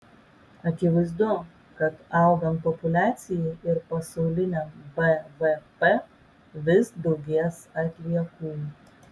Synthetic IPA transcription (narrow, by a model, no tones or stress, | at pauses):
ɐkʲɪʋɐɪzd̪ʊ | kɐt̪ɐˑʊɡɐnpɔpʊlʲæːt̪sʲɪjɛɪɾpɐsɐʊlʲɪnʲɛmbɛbɛpɛ | ʋʲɪsd̪ɔʊɡʲiɛsɐt̪ʲlʲiɛkuːj